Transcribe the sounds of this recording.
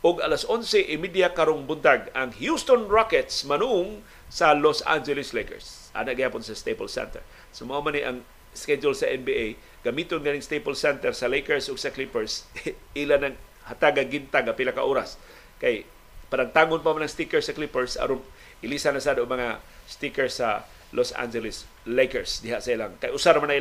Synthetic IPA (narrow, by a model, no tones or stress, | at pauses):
ʔʊɡalasʔonsɛʔɪmid̪jakaɾoŋbʊnt̪aɡaŋhjust̪onɹakɛt̪smɐnʊʔʊŋ | sɐlosa̰nd͡ʒɛlɪslejkɛ̰ɹs | ʔa̰ːnaʔɡɪhaːpʊnsɐst̪epolsɛ̰nt̪ɛ̰ɹ | somaʔamaniʔa̰ŋ | skɛd͡ʒʊlsɐʔɛnbiej | ɡ̥ɐmiːt̪onɡanɪŋst̪ejpolsɛnt̪ɛɾsɐlejkɛɹsʊɡsɐklipɛɹsilanaŋ | hat̪aɡaɡint̪aŋːapɪnaka̰ʔoɾas | kaj | padaŋt̪aːŋʊnpamanaŋst̪ikɛɹsaklipɛɹsa̰ɾon | ʔɪlisanasad̪omɐŋast̪ikɛɹsa | losa̰nd͡ʒɛlɪs | lejkɛɹsd̪ɪɦaʔsailaŋkajʔʊsaɾmanail